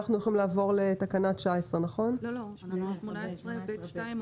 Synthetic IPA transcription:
aχnujoχimlaːvo̞ʁlet̪akanat̪ʃaesʁenaχo̞n

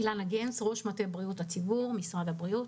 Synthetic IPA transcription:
ilanaɡensʁo̞ʃmatebʁijuthat͡sibuʁmisʁad̪abʁiut

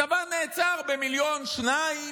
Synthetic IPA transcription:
avaʁneːt͡saʁbemiljo̞nʃnai

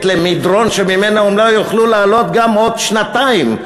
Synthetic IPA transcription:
t̪lemid̪ʁo̞nʃemimenaumlajuχlulaːlo̞t̪ɡamod̪ʃnat̪aim

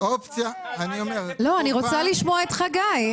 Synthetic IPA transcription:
opt͡sjaaniomeʁlo̞aniʁot͡saliʃmoaet̪χaɡaj

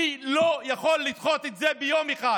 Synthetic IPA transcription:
ilojaχo̞lːitχo̞t̪et̪zebejo̞meχa

